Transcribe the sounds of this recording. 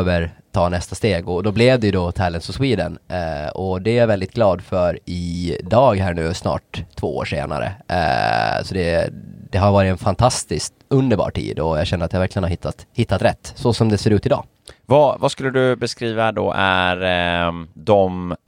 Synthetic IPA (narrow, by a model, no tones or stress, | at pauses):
vəɾt̪ʰɑːnɛst̪ast̪eːɡɔd̪ɔblɛvd̪ɛjɵd̪ɔt̪ʰælənsɔswiːd̪ənɔd̪ɛavɛld̪ɪt̪ɡlɑːd̪fœɾɪd̪ɑːɡɦæːɳʉ̟ːsnɑ̰ːʈ̪ʰːvo̰ːo̰ːʂḛːna̰ɾə̰ | sɔd̪ɛd̪̥ɛɦaɾvɑːɾɪt̪ɛnfant̪ʰast̪ɪskt̪ɵnd̪əɾbɑ̰ːʈʰḭːd̪ɔjɑɡɕɛnːɾat̪javæɾklɪənaɾhɪt̪ʰːat̪hɪt̪ʰːat̪ɾɛt̪ːsɔsɔmd̪ɛseːɾʉ̟ːt̪ɪd̪ɑ̰ː | vɑvaskɵlːəd̪ɵbɛskɾiːvad̪o̰ʔæɾ | d̪ɔm